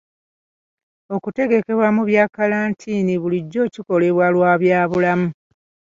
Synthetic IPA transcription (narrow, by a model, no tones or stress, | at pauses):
o̞kute̞ɡe̞ke̞βwamuβjaːkalaːntʰiːniβuliɟːo̞ːciko̞le̞βwalwaːβjaːβulamu